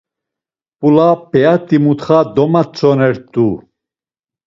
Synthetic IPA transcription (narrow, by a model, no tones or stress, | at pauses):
pʼulapɛat̪ʼimut̪χad̪ɔmat͡sʰʼɔnɛɾt̪ʼu